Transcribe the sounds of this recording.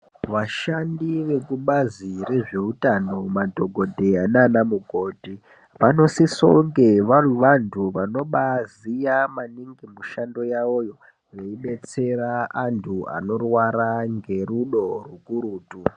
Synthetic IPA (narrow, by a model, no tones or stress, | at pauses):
ʋaʃandiʋe̞kuɓazire̞ʐe̞utano̞madʱo̞ɡʱo̞dʱe̞ananamuɡʱo̞ːdʱi | ʋano̞siso̰ŋɡe̞ʋaruʋantʰuʋano̞ɓazijamaniŋɡimuʃando̞jao̞jo̞ | ʋeiɓe̞t͡se̞ɾaantʰua̰no̞rwaɾaŋɡe̞ruɗo̞rukuɾuːtu